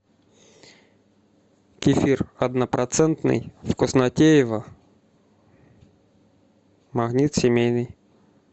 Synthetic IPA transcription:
kʲɪfʲirɐd̪nəpɾɐt̪sɛnt̪nɨ̰jfkosnɐtʲejɪvə | mɐɣnʲit̪sʲɪmʲejnɨj

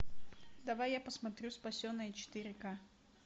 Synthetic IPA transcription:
d̪ɐvajːapəsmɐt̪ɾʲuspɐsʲonːəjət͡ɕɪ̥t̪ɨɾʲɪka

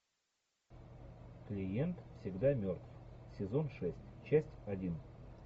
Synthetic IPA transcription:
klʲɪjent̪fsʲɪɡd̪amʲort̪fsʲɪzo̞nʂɛsʲtʲt͡ɕæsʲtʲɐdʲin

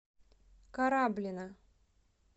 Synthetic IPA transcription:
kaɾablʲɪna

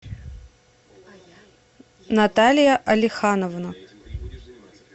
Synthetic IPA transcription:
nat̪alʲjɐʔɐlʲɪxanovnɐ

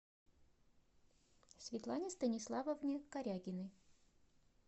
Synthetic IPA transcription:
sʲvʲɪt̪lˠanʲɪst̪ənʲɪslˠavəvnʲɪkɐɾʲaɡʲɪnɨ

